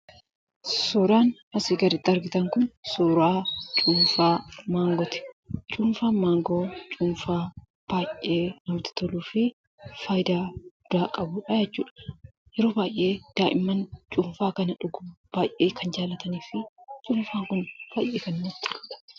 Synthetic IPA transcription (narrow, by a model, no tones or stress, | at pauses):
soːɾaːnhɐsiːɡɐɾɪt̪ːɐɾɡɪt̪ɐŋkʊnsoːɾaːt͡ʃʼuːɱfaːmaːŋɡɔt̪ɪ̥t͡ʃʼuːnfaːmaːŋɡoːt͡ʃʼuːnfaː | b̥aːjʔe̞ːnɐmt̪ɪ̥t̪ɔluːfɪ | faːjɪd̪aːɡʊd̪aːkʼɐbʊᶑɐjɛt͡ʃːuːᶑɐ̥ | jɛɾoːbaːjʔːe̞ːd̪̥aːʔɪmːɐnt͡ʃʼuɱfaːkɐnɐᶑʊɡʊb̥aːjʔeːkʰɐnd͡ʒaːlɐt̪ɐniːfɪt͡ʃʼʊːnfaːŋkʊnb̥aːjʔeːkɐnmʊt̪ːɪ̥kʼu̥ːᶑɐ̥